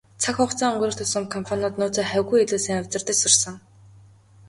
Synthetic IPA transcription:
t͡sʰakχʊχt͡sɔːŋɵɴɢɾɵ̆r̥t̪ʰʊsə̆mkʰɔmpʰanʊːt̪nʊːt͡saːχæwɣujeɮuːsiːŋawʲt͡sə̆rt̪ɘ̆t͡ɕsʊrsɞ̆ŋ

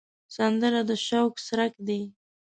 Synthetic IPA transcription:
sand̪əɾad̪əʃawksɾakd̪i

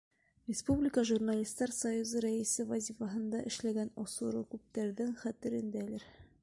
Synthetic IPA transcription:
rʲɪspublʲɪkəʒurnalʲist̪ːɑɾsɐjuzɤɾæɘsɘvɐzʲifɑɦɤ̆nd̪ɑʔɘ̆ʃlæɡænɒsuɾɤkʉp̚t̪æɾðɘŋχæt̪ɘ̆ɾɘ̆nd̪ælɘɾ

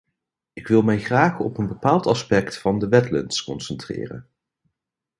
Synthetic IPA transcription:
ɪkʋɪlˠmɛjχraːχɔ̰pənbəpaːlˠtɑspɛktfɑndəʋɛtlə̰ntskɔnsəntrɪ̰ːrə̰n

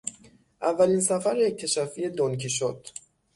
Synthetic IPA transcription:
ʔævːælinsæfæɾjec̚t̪ʰeʃæfijed̪onkʰiʃod̪̥

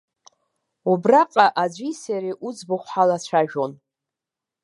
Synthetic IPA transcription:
ubraqʼaʔad͡ʒʷisaɾiʔud͡zbʊχʷħalat͡ɕʷʰaʒᶣo̞n

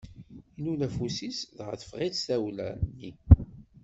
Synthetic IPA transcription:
inulæfusisðʁθə̥fʁiðθæwlæ̰nːi

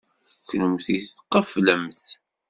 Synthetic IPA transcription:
θnəmθiθqːəfləmθ

